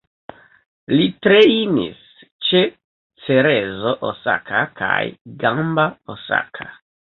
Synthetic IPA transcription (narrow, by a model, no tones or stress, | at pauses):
litɾeinḭs | t͡ʃe | t͡seɾezoʔosa̰kʰakʰa̰jɡambaosa̰kʰa